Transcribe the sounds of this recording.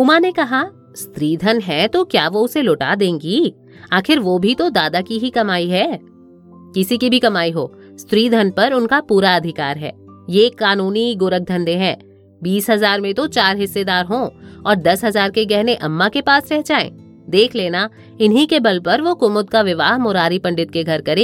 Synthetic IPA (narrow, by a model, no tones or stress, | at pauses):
umanekɐɦa | st̪ɾiːd̪ʱənɦɛt̪okjaːʋoʊselʊʈa̰d̪ẽːŋɡiː | aːxɪɾʋobʱit̪od̪aːd̪akiɦikɐmaːiɦɛː | kɪsikibʱikɐmaːiɦoː | st̪ɾiːd̪ʱɐnpɐɾʊnkapuːɾaɐd̪ʱɪkaːɾɦɛ̰ː | jekaːnuːniɡʊɾək̚d̪ʱɐ̃nd̪eɦɛ̃ː | biːsɦɐzaːɾmẽt̪ot͡ʃaːɾɦɪsːed̪aːɾɦõːɔːɾd̪ɐsɦɐzaːɾkeɡɛɦneʔɐmːakepaːsɾɛɦt͡ʃaːḛ̃ː | d̪eːkʰleːna | ɪnɦikebɐlpɐɾʋokʊmʊd̪̚kaʋɪʋaːɦmʊɾaːɾipɐ̃ɳɖɪt̪̚keɡʱɐɾkɐɾẽː